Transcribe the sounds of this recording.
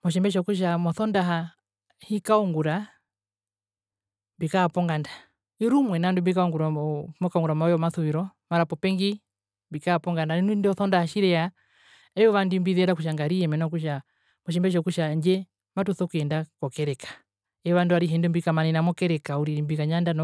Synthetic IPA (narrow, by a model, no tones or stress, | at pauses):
mɔʃ̬ɛmbɛʃ̬ɔkuʃ̬amɔθɔndaɦa | hikauŋɡuɾa | bikaːpɔŋɡandḁ | iɾumwɛnandumbikauŋɡuɾamɔkaɔŋɡuɾamawɛɔmaθuwiɾɔmaɾapɔpɛŋɡi | bikaːpɔŋɡandaninundiɔθɔndahaʃiɾɛja | ɛjɔʋandimbiðɛɾakuʃ̬aŋɡaɾiɛmɛnɔk̬uʃa | mɔʃ̬ɛmbɛʃ̬ɔkuʃaɲd͡ʒɛ | matuθɔkuɛndakɔkɛɾɛkḁ | ɛɔʋanduaɾiɦɛndɛmbikamaninamɔkɛɾɛkauɾiɾimbikaɲandan